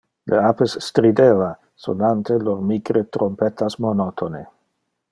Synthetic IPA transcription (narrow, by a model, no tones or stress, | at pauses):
lʔeapesːt̪ɾid̪eva | so̰nant̪elormikɾet̪ɾompet̪ʰasmonot̪ʰone